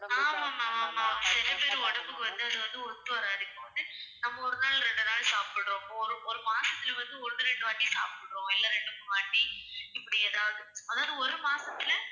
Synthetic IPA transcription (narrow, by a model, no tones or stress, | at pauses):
aːmaːmaːmaːmaːsɪnɐpeːɾɔɽɐmbɯkːɯʋɐnd̪ɯɐðɯʋɐnd̪ɯɔɾt̪ːɯʋɐɾaːɾɪkːõːʋɐnd̪ɯnɐmːɐɔɾɯnaːɭɾɛɳɖɯnaːɭsaːpɪɽɾõːɔɾɯɔɾɯmaːsɐt̪ːɪlʋɐnd̪ɯɔɾɯɾɛɳɖɯʋɐɳːisa̰ːpɪɽɾõːɪlːɐɾɛɳɖɯkːʋɐɳːiɪpːɐɽɪɛðaːɐðɯsɐðaːnɯɔɾɯmaːsɐt̪ːɪlɐ